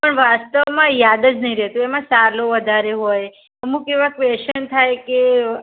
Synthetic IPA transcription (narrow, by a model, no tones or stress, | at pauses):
pəɳʋast̪əʋmãjad̪əd͡ʒnəɦĩɾɛt̪uɛmãsaloʋəd̪ʱaɾeɦoj | əmũkeʋakʋeʃənt̪ʰajke